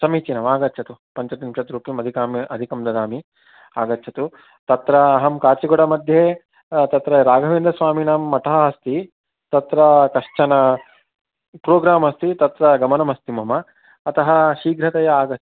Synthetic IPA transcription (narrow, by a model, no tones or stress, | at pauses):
sɐmiːt͡ʃinɐmaːɡɐt̪ːt͡ʃʰɐt̪upɐɲt͡ʃɐt̪imʂɐt̪ɾuːpimɐd̪ʱikaːmiʔɐd̪ʱikɐmd̪ɐd̪aːmi | aːɡɐt̪ːt͡ʃʰɐt̪u | t̪ɐt̪ɾɐːɦɐmkaːt͡ʃiɡɔɽɐmɐd̪ʱjeː | t̪ɐt̪ɾɐɾaːɡʱɐʋeːnd̪ɐsʋaːminaːmːɐʈ̪ɐɦɐɦɐst̪i | t̪ɐt̪ɾɐkɐʂt͡ʃɐnɐ | pɾoːɡɾaːmɐst̪it̪ɐt̪ɾɐɡɐmɐnɐmɐst̪imɐmɐː | t̪ɐɦɐ̆ʃiːɡɾɐt̪ɐjɐaːɡɐ